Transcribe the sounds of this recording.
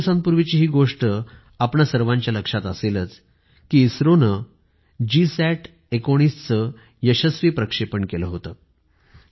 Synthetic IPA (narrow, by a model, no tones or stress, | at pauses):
sãnpuɾʋit͡ɕiːɦiːɡoʂʈə | apɳasəɾʋãɲt͡ɕjaləkʂat̪əselət͡s | kiːsɾonə | d͡ʑisæʈʰ | ekoɽ̃ist͡sə | jəɕəsʋiːpɾəkʂepəɳkeləɦot̪ə